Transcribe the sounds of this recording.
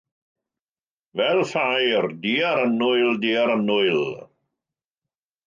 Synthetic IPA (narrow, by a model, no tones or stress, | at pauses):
vɛlfajrdiaɾənʊjldiːaɾənʊɨl